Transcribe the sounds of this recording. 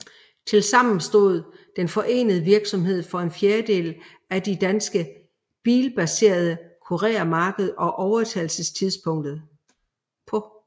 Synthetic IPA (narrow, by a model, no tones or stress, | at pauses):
t͡sʰe̝lsɑ̈m̰n̩sd̥o̝ð̞̰ˠd̥enfɒ̽ʔe̝̰ːnəð̞̩ˠəʋiɐɡ̥sɒ̽mɦe̝ð̞̰ˠfɒ̽e̝nfjeːɐd̥e̝̰ːl | æd̥id̥ænsɡ̥ə | b̥ḭːlb̥æse̝̰ːɐð̞ˠəkʰo̝ʁɛ̰ːæmɑ̈ːɡ̥əð̞̩ˠɒ̽ʔɒʊɐt͡sʰælsəst͡sʰiðˠspʰɔ̽ŋ̰d̥ð̩ˠ | pʰɒ̽